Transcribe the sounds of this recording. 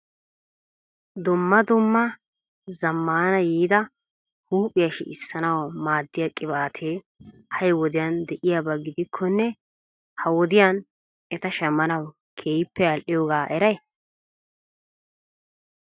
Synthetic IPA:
d̪ʊmːɐd̪ʊmːɐ | zɐmːaːnɐjiːd̪ɐ | huːpʼːɪjɐʃɪ̰ɪsːɐnɐwɐmaːd̪ːɪjakʼɪbaːt̪ʰeː | hɐjwɔd̪ɪjɐnd̪ɛʔɪjabɐɡɪd̪ɪkʰːɔnːɛ | hɐwɔd̪ɪjaːn | ɛt̪ɐʃɛmːɐnɐw | kʰeːjɪpːɛɐlʔɪjɔɡaːʔɛɾɐj

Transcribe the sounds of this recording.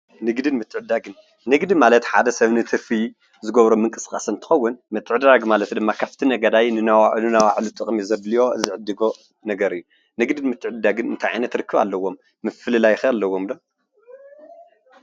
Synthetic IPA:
nɨɡd̪ɨnmɨt̪ʰːɨʕɨd̪aɡɨnː | ɨɡd̪imalɐt̪ħa̰d̪ɐsɐβnɨt̪ʰɨfi | zɨɡɐβɾomɨŋkʼɨskʼasɨnt̪ʰɨ̥xɐwːʊnmɐt̪ʰːɨʕɨd̪ɾaɡmalɐt̪d̪ɨmːakʰaft̪ʰinɐɡɐd̪ajnɨnawnɨnawaʕlut̪ʼɨkʼmizɐblijo̞ɨ̰zɨʕɨd̪ːɨɡo | nɐɡɐɾɨjːu | nɨɡd̪ɨnmɨt̪ʰːɨʕɨd̪ːaɡɨnɨnt̪ʰajʕa̰jnɐt̪ɾɨkʰːɨβa̰lːɐwːo̞mːɨfɨlɨlajɪxɐlːɐwo̞mlo

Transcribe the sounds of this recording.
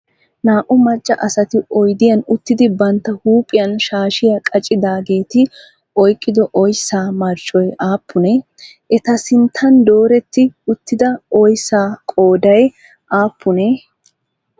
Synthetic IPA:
naːʔʊmɐt͡ʃʼːɐʔɐsɐt̪ɪɔjd̪ɪjɐnʊt̪ːɪd̪ɪbɐnt̪ːɐhuːpʼɪjɐnʃaːʃɪjɐkʼɐt͡ʃʼːɪd̪aːɡe̞ːt̪ɪ | ʔɔjkʼːɪd̪ɔʔɔjsːaːmɐɾt͡ʃʼːɔjaːpʰːʊnɛ | ʔɛt̪ɐsɪnt̪ʰːɐnd̪o̞ːɾɛt̪ːɪʊt̪ːɪd̪ɐɔjsːaːkʼo̞ːd̪ɐj | ʔaːpʰːʊnɛ

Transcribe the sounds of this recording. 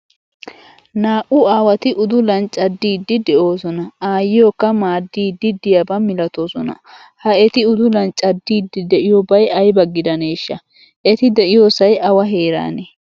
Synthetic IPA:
naːʔʊaːwɐt̪ɪʔʊd̪ʊlɐnt͡ʃʼːɐd̪ːiːd̪ːɪd̪ɛʔo̞ːsɔnɐaːjɪjokːɐmaːd̪ːiːd̪ːɪd̪ɪjabɐmɪlɐt̪oːsɔnɐ̰ | hɐɛt̪ɪʊd̪ʊlɐnt͡ʃʼɐd̪ːiːd̪ːɪd̪ɛʔɪjobɐjɐjbɐɡːɪd̪ɐne̞ːʃːɐ | ʔɛt̪ɪd̪ɛʔɪjo̞ːsɐjɐwɐɦe̞ːɾa̰ːnɛ

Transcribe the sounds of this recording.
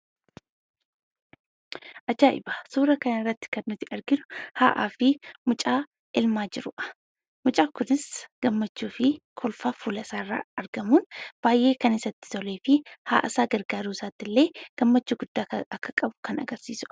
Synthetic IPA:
ʔɐd͡ʒaːʔɪ̰baːsuːɾɐkɐjanɪrːɐt̪ːɪ̥kɐnːʊt̪ɪʔɐɾɡɪnʊ̥haːʔa̰ːfɪmʊt͡ʃʼaː | ʔɪlmaːd͡ʒɪɾʊʔɐ̥ | mʊt͡ʃʼaːkʊnɪsɡ̥ɐmːɐt͡ʃːuːfɪkʰɔlfaːfulɐsaːrːa̰ːɐɾɡɐmuːnb̥aːjʔːe̞ːkɐnɪsɐt̪ːɪ̥t̪ʰɔle̞ːfɪha̰ːʔɐsaːɡɐɾɡaːɾuːsaːt̪ːɪlːe̞ːɡ̥ɐmːɐt͡ʃːuɡʊd̪̥ːaːɐkʰːɐkʼɐbʊ̥kʰɐnɐ̰ɡɐɾsiːsʊ̥

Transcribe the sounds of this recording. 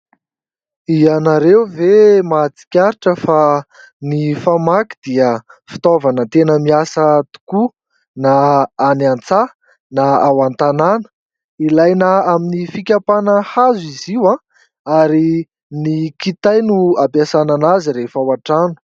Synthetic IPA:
ianaɾewvemat͡si̥kʲaɾiʈ͡ʂəfa | nifamaki̥d̪̥iəfi̥t̪ovanət̪enəmiasət̪u̥ku | naːnant͡sa | naawant̪ananə̥ | ilajnəaminifikʲapanəhaziziwã | aɾi | nikit̪ajnuapasananaziɾefawaʈ͡ʂanu̥

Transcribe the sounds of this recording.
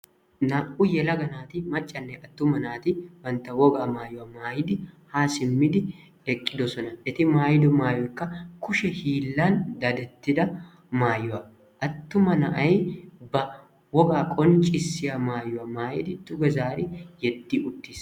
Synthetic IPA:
naːʔʊjɛlɐɡɐnaːt̪ɪmɐt͡ʃʼːɐnːɛʔɐt̪ːʊmɐnaːt̪ɪwɐnt̪ːɐwɔɡaːmaːjʊwɐmaːjɪd̪ɪhaːsɪmːɪd̪ɪ | ɛkʼːɪd̪ɔsɔnɐʔɛt̪ɪmaːjɪd̪ɔmaːjɔjkːɐkʊʃɛhiːlːɐnd̪ɐd̪ɛt̪ːɪd̪ɐ | maːjʊwɐ | ʔɐt̪ːʊmɐnɐʔɐjbɐ | wɔɡaːkʼɔnt͡ʃʼɪsːɪjamaːjʊwɐmaːjɪ̰d̪ɪd̪ʊɡɐzaːɾɪjɛd̪ːiːʊt̪ːiːs

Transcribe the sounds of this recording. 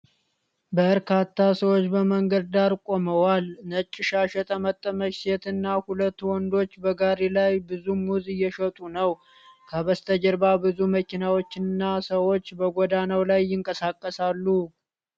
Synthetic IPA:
bəɾkʰat̪ʰːasəwo̞t͡ʃːbəməŋɡəd̪̚d̪aɾkʼo̞məwalnət͡ʃʼːɪʃaʃɛt̪ʼəmət̪ʼːəməkset̪ɨnːahulət̪ːwɔnd̪o̞t͡ʃːbəɡaɾelajbɨzumuzɨjːɛʃət̪ʼunəw | kʰəβəst̪ʰəd͡ʒəɾbabɨzuməkinawot͡ʃːɪnɨnːasəwo̞t͡ʃːbəɡod̪anəwlajːɪŋkʼəsakʼːəsalːu

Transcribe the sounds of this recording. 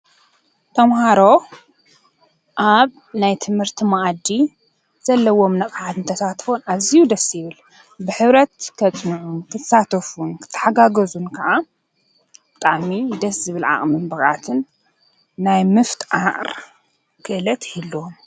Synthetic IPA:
t̪ʰɐmɦaɾo̞ | ʔaβ | najt̪ʰɨmhɨɾt̪ʰimaʔd̪i | z̥ɐlːɐwo̞mnɐqʼħat̪ɨnt̪ʰɐsat̪fonazijud̪ɐsːjɪβɨl | bɨħɨβɾɐt̪kʰɐt͡sʼnuʕunkʰɨt̪ʰɐ̥sat̪ʰɐfunkʰɨ̥t̪ʰːɨ̥ħaɡaɡɐzunkʰɐʕa | b̥ɨt̪ʼaʕmid̪ɐszɨβɨlʕa̰χʼmɨnbɨxʼʕa̰t̪ʰɨnː | ajmɨft̪ʰʼʔaʔʼɾ | kʰɨʔɨlɐt̪hilːom

